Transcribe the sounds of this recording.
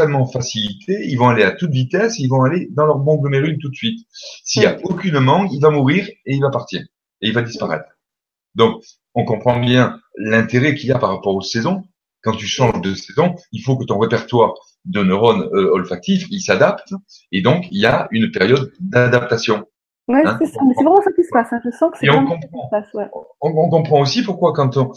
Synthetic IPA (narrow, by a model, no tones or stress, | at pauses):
almɑ̃fasilit̪ʰeilvɔ̃aleat̪ut̪vit̪ɛseilvɔ̃aled̪ɑ̃lœʁbɔ̃ɡləmeʁynt̪ut̪əsɥit̪siljaokʲynmɑ̃kilvamuʁiʁeilvapaʁt̪iːʁ | eilvad̪ispaʁɛ̰t̪χ | d̪ɔ̃k | ɔ̃kɔ̃pχɑ̃bjɛ̃lɛ̃t̪eʁɛkiljapaʁːapɔʁosɛzɔ̃ | kɑ̃t̪yʃɑ̃ʒd̪əsɛzɔ̃ilfokət̪ɔ̃ʁepɛʁt̪waʁ | d̪ənəʁɔnøɔlfak̚t̪ifilsad̪apt̪ | ed̪ɔ̃kiljaynpɛʁjɔd̪d̪ad̪ap̚t̪asjɔ̃ | wɛɛ̃sɛsamɛsɛvʁɛmɑ̃sakʲisə̥pasɛ̃ʒəsɑ̃kə̥sɛeɔ̃kɔ̃pχɑ̃swɛɔ̃kɔ̃kɔ̃pχɑ̃osipuʁkwakɑ̃t̪ɔ̃